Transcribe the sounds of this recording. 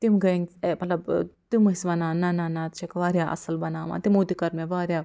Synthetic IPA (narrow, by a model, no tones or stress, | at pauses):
t̪imɡɐĩŋɡmɐt̪lɐbt̪imɐisʋɐnaːnanaːnaːt̪̚t͡ʃʰekʋaːɾʲjaːʔɐ̰sɐlbɐnaːʋa̰ːt̪imut̪ikɐɾmẽʋaːɾʲjaː